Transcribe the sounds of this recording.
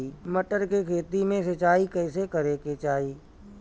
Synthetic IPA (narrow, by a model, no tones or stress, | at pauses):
iməʈəɾkekʰeːt̪imẽsət͡ʃaːikɛːsekɐɾeket͡ʃaːiː